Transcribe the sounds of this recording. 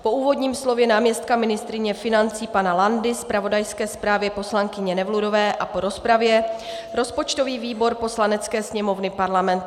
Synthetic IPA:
po̞uːvo̞dɲiːmslo̞vjɛnaːmɲɛst̪̚kamɪnɪst̪ɾɪɲɛfɪnant͡siːpanalandɪspɾavo̞dajskɛːspɾaːvjɛpo̞slaŋkɪɲɛnɛvludo̞vɛːʔapo̞ɾo̞spɾavjɛ | ɾo̞spot͡ʃt̪o̞viːviːbo̞ɾpo̞slanɛt͡skɛːsɲɛmo̞vnɪpaɾlamɛnt̪

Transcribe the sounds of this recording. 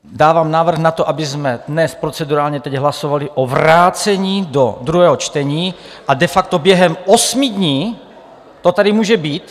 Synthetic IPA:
daːvaːmnaːvr̩ɣnat̪oʔabɪzmɛdnɛspɾot͡sɛduɾaːlɲɛt̪ɛɟɦlasovaliʔovɾaːt͡sɛɲiːdod̪ɾuɦɛːɦot͡ʃt̪ɛɲiː | ʔadɛfak̚t̪objɛɦɛmʔosmidɲiː | t̪ot̪adimuːʒɛbiːt̪

